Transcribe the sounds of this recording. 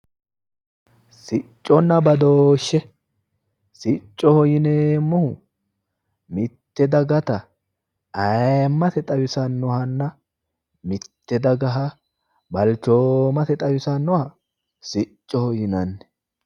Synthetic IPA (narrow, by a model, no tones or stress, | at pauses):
sɪt͡ʃʼːɔnːɐbɐd̪oːʃːɛ | sɪt͡ʃʼːɔhɔjɪneːmːɔhʊ | mɪt̪ːɛd̪ɐɡɐt̪ɐ | ɐjmːɐt̪ɛt̪ʼɐwɪsɐnːɔhɐnːɐ | mɪt̪ːɛd̪ɐɡɐɦɐ | bɐlt͡ʃoːmɐt̪ɛt̪ʼɐwɪsɐnːɔhɐ | sɪt͡ʃʼːɔhɔjɪnɐnːɛ̥